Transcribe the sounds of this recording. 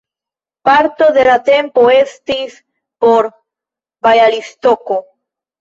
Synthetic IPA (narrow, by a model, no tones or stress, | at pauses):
paɾt̪oðelat̪empoest̪is | poɾ | bajalist̪oko